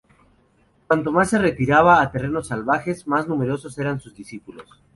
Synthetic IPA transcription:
kwant̪o̞masːe̞re̞t̪iɾaβaːt̪e̞reno̞salβaxe̞zmaznume̞ɾo̞so̞se̞ɾansuzðisipulo̞s

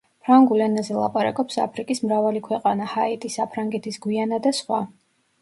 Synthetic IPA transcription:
pʰɾaŋɡulɛnazɛlˠa̰pʼaɾa̰kʼɔpsa̰pʰɾikʼismɾavalikʰwɛqʼanahait̪ʼisapʰɾaŋɡɛt̪ʰisɡwianad̪asχwa

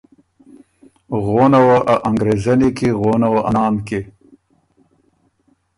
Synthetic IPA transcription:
ɣonawaʔaʔaŋɡɾezanikeɣonawaʔaɑːnke

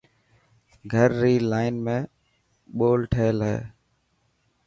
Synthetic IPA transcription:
ɡʱəɾːiːlaːɪnmẽː | ɓoːlʈʰeːlɦɛ̰ː

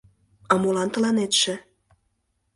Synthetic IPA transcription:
ɑmolɑnt̪ə̆lɑnet̪ʃĕ

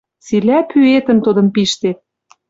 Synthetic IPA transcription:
t͡silæpyet̪ə̆nt̪ud̪ɤ̆mpiʃt̪et̪̚

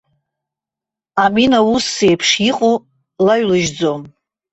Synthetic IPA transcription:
aminausːejpʰʂiqʼo | laɥlɨʒd͡zo̞m

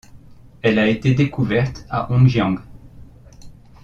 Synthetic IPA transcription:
ɛlaet̪ed̪ekuvɛʁt̪a̰ʔɔ̃ʒjɑ̃ɡ

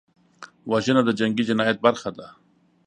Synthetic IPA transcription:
waʒənad̪əd͡ʒaŋɡid͡ʒɪnɑjat̪̚baɾxad̪a

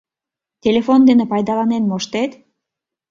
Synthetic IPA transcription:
t̪ʲelʲefond̪enĕpɑjd̪ɑlɑnenmoʃt̪et̪

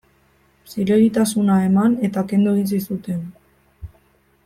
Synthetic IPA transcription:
sileɾit̪asunae̞mane̞t̪ake̞nd̪ueis̬isut̪e̞n

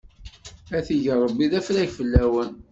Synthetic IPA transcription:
æθiʝərˤəbːiðæfɾæjfəlːæwən

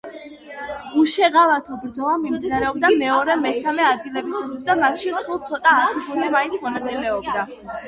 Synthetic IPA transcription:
uʃɛʁavat̪ʰɔbɾd̪zɔvamimd̪inaɾɛɔb̚d̪amɛɔɾɛmɛsamɛad̪̚ɡilɛbisusisd̪amat̪ʃisulˠt̪sʰɔt̪ʼaːt̪ʰubʰulˠmɛmaint̪sʰmɔnat̪sʼilɛɔb̚d̪a

